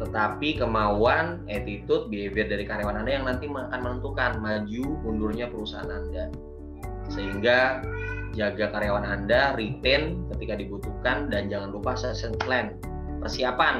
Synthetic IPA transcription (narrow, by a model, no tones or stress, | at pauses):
t̪ət̪apikəmauan | ɛt̪it̪ʊt̪̚beeveɛrdaɾikaɾejawanandajaŋnant̪iməŋakanmənənt̪ukanmad͡ʒuundʊrɲapəɾusaa̰nanda | səɦiŋɡa | d͡ʒaɡakaɾejawanandaɾit̪ɪnkət̪ikadibut̪ukandand͡ʒaŋanlupasəsəŋklɛn | pərsiapan